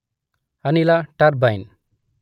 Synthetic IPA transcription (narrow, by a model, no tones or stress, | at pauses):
anilaʈaɾbajn